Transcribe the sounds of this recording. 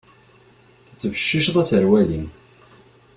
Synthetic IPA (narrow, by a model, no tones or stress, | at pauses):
θə̥t͡sːəvəʃːiʃðˤæsəɾwælim